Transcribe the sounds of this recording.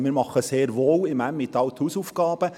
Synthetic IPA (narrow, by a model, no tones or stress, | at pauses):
mɪːɾmɑχəseːɾʋoːwɪmæmːɪt̪ːɑlt̪huːsufɡ̥ɑːb̥ə